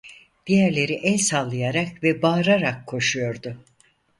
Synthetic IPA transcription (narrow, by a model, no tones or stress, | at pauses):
d̪̥ijæɾlʲe̞ɾiʔɛlʲsalˠːɯjaɾakvɛbaːɾaɾakʰːo̞ʃujo̞ɾd̪ʊ